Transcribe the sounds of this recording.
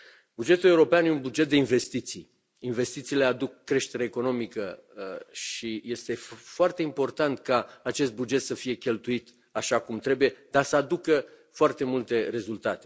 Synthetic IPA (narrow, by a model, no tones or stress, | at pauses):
bud͡ʒe̞t̪uleuɾo̞peanjeunbud͡ʒet̪̚d̪e̞inve̞st̪it̪sij | inve̞st̪it̪siːle̞ad̪ukːɾe̞ʃt̪e̞ɾeeko̞no̞mikə | ʃije̞st̪e̞foart̪eimpo̞rt̪ant̪kaːt͡ʃe̞st̪̚bud͡ʒe̞t̪səfije̞kʲe̞lt̪uit̪ | aʃakumt̪ɾe̞buje̞d̪asəad̪ukə | foart̪e̞mult̪e̞ɾe̞zult̪at̪e̥